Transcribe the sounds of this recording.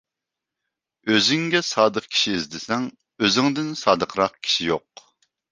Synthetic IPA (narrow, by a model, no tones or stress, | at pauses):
øzɪŋɡʲɛsɑːd̪əqkʲʰi̥ʃiːzd̪ɪsɛŋ | øzɪŋd̪ɪnsɑːd̪əqʰɾɑqkʲʰi̥ʃijoq̚